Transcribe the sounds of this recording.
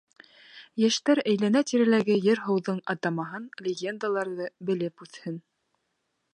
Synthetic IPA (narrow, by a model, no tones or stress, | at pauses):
jæʃt̪æɾæjlænæt̪iɾælæɡɘjɘɾɦɤ̆wðɤɴɑt̪ɑmɑɦɤnlʲɪɡʲe̞nd̪alˠɑɾðɤbɘ̆lɘpʉθhɘn